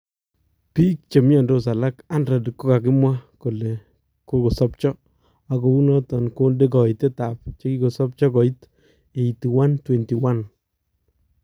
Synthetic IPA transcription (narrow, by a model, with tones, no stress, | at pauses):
piː˦k̚t͡ʃe˨mjɔ˨ndo˦sa˨la˦ka˦nɾa˨di˨kːo˦ka˨k̬ɪ˦mwa˦ko˨le˨ | ko˦ko˨sɔ˦p̚t͡ʃɔ˦ | a˨ko˨u˦nɔ˦tɔ˨nko˦nde˦kɔ˨ite˦ta˨p̚t͡ʃe˦ki˦ko˨sɔ˦p̚t͡ʃɔ˦kɔ˨i˦t | e˨i˨ti˨wa˦ntwɛ˨nti˨wa˦n